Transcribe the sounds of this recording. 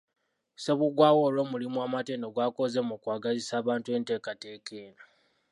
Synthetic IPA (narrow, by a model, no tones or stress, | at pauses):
se̞βuɡwaːwoːlwo̞mulimwamateːndoɡwaːko̞zemukwaːɡazisaːβaːntue̞ːnte̞ːkate̞ːkeːna